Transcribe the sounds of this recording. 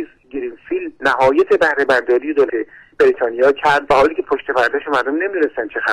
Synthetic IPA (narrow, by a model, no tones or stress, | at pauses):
z | ɡiɾinfilnæhɒːjet̪ʰebæhɾe̞bæɾd̪ɒːɾije̞d̪oːle | b̥e̞ɾit̪ʰɒːnijɒːcʰæɾd̪væhɒːliːcʰe̞pʰoʃt̪e̞bæɾd̪ɒʃemæɾd̪omne̞mid̪une̞st̪ænt͡ʃʰexæ